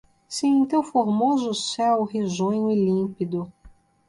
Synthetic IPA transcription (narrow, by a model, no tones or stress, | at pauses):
siẽt̪ewfoɾmozʊsɛwɦezõɲʊilĩpid̪ʊ